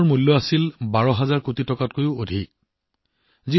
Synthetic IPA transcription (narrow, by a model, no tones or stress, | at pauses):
ɹmulːɔasilbaɹɔɦazaɹkutitɔkat̚kojʊodʱik | zi